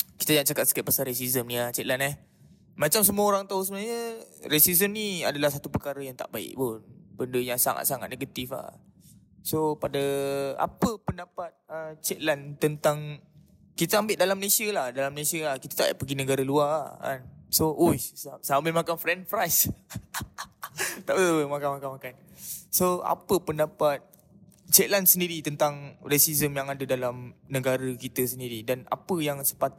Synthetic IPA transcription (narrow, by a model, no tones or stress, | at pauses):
ki̥t̪ad͡ʒaat̪̚t͡ʃakat̪̚sə̥kɛt̪̚pasaɾes̬izəmnĩat͡ʃɛt̪̚lanɛh | mat͡ʃamsəmuaoɾaŋt̪aus̬əbənaɲəɾesizəmniadalahsat̪upərkaɾəjaŋt̪a̰ʔbaɪ̰ʔ̚pʊnbəndəjaŋsa̰ŋa̰t̪̚saŋa̰t̪̚neɡət̪ifa̰ | sopadəa̰pəpəndapat̪̚ət͡ʃɛt̪̚lant̪ənt̪aŋ | kit̪əambɪtʔ̚dalamːəlesiəlahdalamːəlesiəlahkit̪ḁt̪a̰ʔpəɡinəɡaɾaəluaa̰nsoʔujsəambɪlmakanfɾɛnfɾajs | t̪aʔəmakanmakanmakansoa̰pəpəndapat̪̚ | t͡ʃɛʔ̪̚lansəndiɾit̪ənt̪aŋrɛsizəmjaŋadədalamnəɡaɾəkit̪əsəndiɾidana̰pəjaŋsə̥pat̪